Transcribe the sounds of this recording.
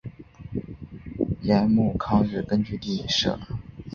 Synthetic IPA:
jɛ˧˥nmu˥˩kʰɑ˥ŋɻɻ̩˥˩kə˥nt͡ɕy˥˧t̪i˥˩˨ʂɤ̰˥˩˦

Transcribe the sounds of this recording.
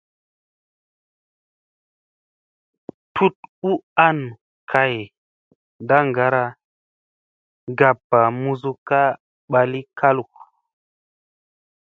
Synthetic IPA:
tu˦t̚u˦a˦n | kʰa˨j | nda˦ŋɡa˦ɾa˧ | ɡa˨pːa˨mu˧zu˦ka˦ | ɓa˨li˦ka˦lu˨k

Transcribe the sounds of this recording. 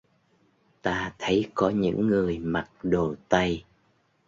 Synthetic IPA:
t̪aː˧t̪ʰə˨˦jkɔ˨˦ɲɨ̰˧˥ŋːɨ˨˩əjma˨˩t̚ɗo˨˩t̪ə˧j

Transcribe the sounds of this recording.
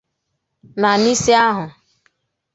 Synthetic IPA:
na˨ni˦si˦a˦ɦʊ˨

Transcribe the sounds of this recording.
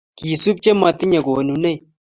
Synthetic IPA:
ki˨su˦b̚t͡ʃe˦ma˨t̪i˦ɲɐ˨ɡo˨nu˨ne˦˨

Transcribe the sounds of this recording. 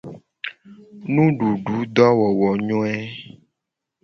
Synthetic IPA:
nũ˦ɖu˨ɖu˨˦d̪ɔ˦wɔ˨wɔ˨ɲɔ̃˦ɛ˦

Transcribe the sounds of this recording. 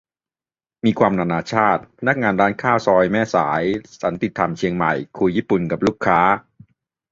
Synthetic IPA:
miː˧kʰwaː˧mnaː˧naː˧t͡ɕʰaː˥˩t̪̚pʰa˧na˦˥k̚ŋaː˧nɾaː˦˥nkʰaː˥˩wsɔː˧jmɛː˥˩saː˩˦jt͡ɕa˩˦nt̪i˨˩t̪ʰːa˨˩mt͡ɕʰi˧əŋma̰˨˩jkʰu˧jːiː˥˩pu˨˩nka˨˩p̚luː˥˩kʰːaː˦˥

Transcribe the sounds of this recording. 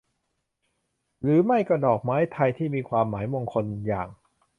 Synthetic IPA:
ɾɯː˩˦ma˥˩jkɔ˥˩dɔː˨˩k̚maː˦˥jt̪ʰa˧jt̪ʰiː˥˩miː˧kʰwaː˧mːaː˩˦jmo˧ŋkʰo˧njaː˨˩ŋ

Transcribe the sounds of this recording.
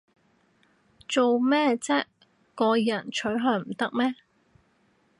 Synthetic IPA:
t͡so˨wmɛː˥˧t͡sɛː˥ | kɔː˧jɐ˨˩nt͡ʃʰɵ˨˥ɥɦœː˨˧m̩˨˩t̪ɐ˥k̚mɛː˥

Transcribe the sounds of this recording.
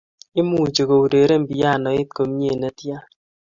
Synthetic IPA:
i˦mu˨d͡ʒo˨ɡo˨u˨ɾe˨ɾe˦m̩˨bi˨ja˦˨nɔ˨i˦t̚ko˨m˦ɲe˦˨nɛ˨tja˦

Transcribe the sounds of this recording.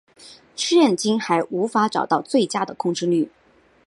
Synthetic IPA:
ʂɻ̩˥ɻə˥˩nt͡ɕi˥ŋxa˧˥ɪʔu˧˥fa˧˥ʈ͡ʂɑ˨˩ʊt̪ɑ˥˧ʊt͡swe˥˩ɪt͡ɕja˥d̪ə˨kʰʊ˥˧ŋʈ͡ʂɻ̩˥ly˥˩

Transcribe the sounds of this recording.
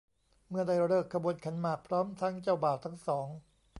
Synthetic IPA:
mɯ˥˩ɐda˥˩jɾɤː˥˩kʰːa˧buː˨˩˨ənkʰa˧˥nmaː˨˩k̚pʰɾɔː˦˥mt̪ʰa˦˥ŋt͡ɕa˥˩wbaː˨˩tt̪ʰa˦˥ŋsɔː˩˦ŋ

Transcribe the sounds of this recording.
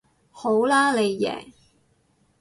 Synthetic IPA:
ho˨˥wlaː˥le˨˧jːɛ̰ː˨˩

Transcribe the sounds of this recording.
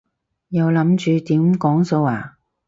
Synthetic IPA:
jɐ˨˧wlɐ˨˥mt͡ʃyː˨˧t̪iː˨˥mkɔː˨˥ŋso˧waː˨˩

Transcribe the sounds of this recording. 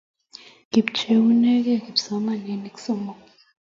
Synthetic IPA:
ɡ̥i˨ɓt͡ʃʰʼe˨wu˦nɛ˦k̬ɛ˦ki˨bsɔ˨˦ma˦˨ne˨ni˨ksɔ˦mɔ˨

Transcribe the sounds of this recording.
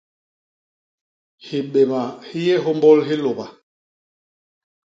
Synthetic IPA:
hi˨ɓe˨ma˨hi˦jɛ˦ɦɔ˦mbɔ˦lɦi˦lo˨ba˨

